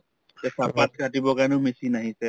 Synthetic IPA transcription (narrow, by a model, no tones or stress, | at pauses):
tɛsapat̚kʰatibɔkanʊmisinaɦisɛ